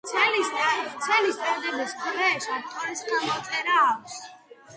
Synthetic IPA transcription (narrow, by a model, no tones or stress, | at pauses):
t̪sʰɛlist̪sʰɛlist̪ʼaɾd̪ɛbiskvɛʃat̪ʰʼɔɾisd̪amɔt̪ʼɛɾaːkʷʰs